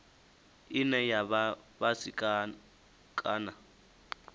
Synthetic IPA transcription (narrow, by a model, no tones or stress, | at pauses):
ɪnɛjaβabasika | kʼaːna